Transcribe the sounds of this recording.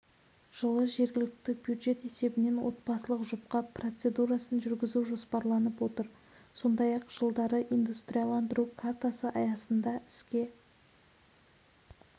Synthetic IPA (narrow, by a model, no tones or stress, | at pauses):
ʒ̥əlˠəʒe̞ɾɡʲɪlɪk̚t̪ɪbjud̪ʒe̞t̪e̞se̞bɪne̞nwo̞̰t̪̚bɑsəlˠəqʒʊp̚qɑpro̞t̪se̞d̪uɾɑsənʒʏɾɡʲɪzuʒo̞spɑɾlˠɑnəpwo̞t̪əɾ | so̞nd̪ɑjɑqʒ̥əlˠd̪ɑɾəʔijnd̪ust̪ɾʲijalˠɑnd̪əɾukʰart̪asəʔɑjɑsənd̪ɑɪskʲe̞